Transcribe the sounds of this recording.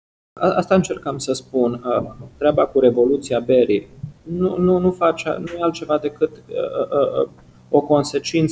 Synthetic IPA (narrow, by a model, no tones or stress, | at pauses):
aast̪aɨnt͡ʃe̞rkamsəspunət̪ɾeabakuɾe̞vo̞lut̪siabe̞ɾinununufat͡ʃa̰nujealt̪̚t͡ʃe̞vad̪e̞kɨt̪ə̰ | o̞ko̞nse̞t͡ʃint̪